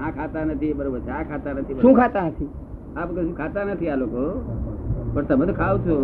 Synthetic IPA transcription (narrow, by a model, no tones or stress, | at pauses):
ãkʰat̪anət̪ʰibəɾobəɾt͡ʃʰãkʰat̪anət̪ʰibəʃũːkʰat̪anət̪ʰi | apkəsũkʰat̪anət̪ʰialoko | bəɽt̪əmət̪kʰaʋt͡ʃʰo